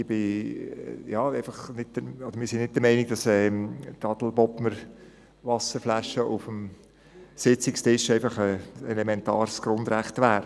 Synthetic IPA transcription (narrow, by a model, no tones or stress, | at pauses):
ɪb̥ɪ | jɑːeɪfɑχnɪt̚dəɔd̥əɾmɪːɾsɪnnɪt̚dəmɛɪniɡ̚d̥ɑsɛːtɑd̥l̩bɔpməɾ | ʋɑsəɾflæʃəʊfəm | sɪt͡sɪkstɪʃɛɪfɑχəɛlemɛntɑːɾsɡ̥ɾʊnd̪ɾæχtʋæːɾ